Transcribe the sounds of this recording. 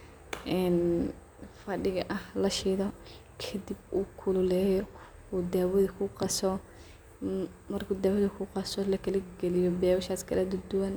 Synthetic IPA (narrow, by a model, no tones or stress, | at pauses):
ʔɛːn | fɐɖɪɣɐʔɐhlɐʃiːðɔ | kʰɐd̪ib̚uːkʰʊlʊlɛːj | uːd̪aːwɐðɐkʰʊqɑsɔ | mɐrkʰuːd̪aːwɐðɐkʰʊqɑsɔlɐkʰɐlɪɡɛlɪjɔbɛːwɐʃaːskʰɐlɐd̪ʊd̪ʊwɐn